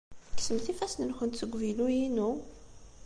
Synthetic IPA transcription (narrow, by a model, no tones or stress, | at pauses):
ksəmθifæsnənxənt̪θəɡʷvilujinu